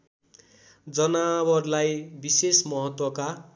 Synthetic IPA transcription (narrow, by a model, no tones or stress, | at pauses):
d͡zʌnawʌrlajbisesmʌɦʌt̪wʌka